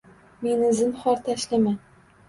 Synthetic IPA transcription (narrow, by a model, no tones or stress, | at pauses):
menɪzɪmχɒɾt̪ʰaʃlɪma